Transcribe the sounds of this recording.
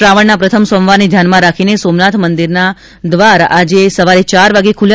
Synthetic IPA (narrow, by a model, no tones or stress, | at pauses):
ɾaʋəɳnapɾət̪ʰəmsõmʋaned̪ʱjanmãɾakʰinesomnat̪ʰmənd̪iɾna | d̪ʋaɾad͡ʒesəʋaɾit͡ʃaɾʋaɡekʰulj